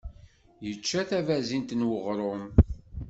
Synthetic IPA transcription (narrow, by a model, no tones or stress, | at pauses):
jət͡ʃːæθævæzint̪nwəʁɾˤʊm